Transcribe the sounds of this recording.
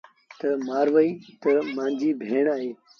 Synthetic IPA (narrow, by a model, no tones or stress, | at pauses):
t̪əmaːɾʋəiːt̪əmãːnd͡ʒiːbʱeːɳaːɦeː